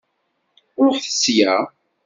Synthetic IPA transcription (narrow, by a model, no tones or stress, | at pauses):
ʊɾθə̥sjæ